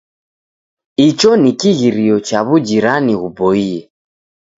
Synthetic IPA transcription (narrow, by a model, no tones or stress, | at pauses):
it͡ʃɔnikiɣiɾiɔt͡ʃaβud͡ʒiɾaniɣubɔiɛ